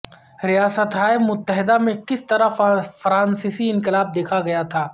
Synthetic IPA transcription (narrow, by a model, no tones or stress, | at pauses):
ɾijaːsət̪ɦaːjebmʊt̪ːəɦɪd̪amẽkɪst̪ɐɾafɐɾaːnsɪsiɪ̃ŋkɪlaːb̚d̪eːkʰaɡɐjat̪ʰaː